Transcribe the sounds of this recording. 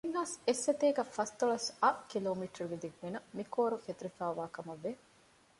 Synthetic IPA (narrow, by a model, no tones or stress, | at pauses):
inːaːsesːet̪eːɡɐfɐst̪oɭɐsɐkiloːmiʈɐɾuɡid̪iɡʋinɐmikoːɾuket̪uɾifæːʋaːkɐmɐʋːe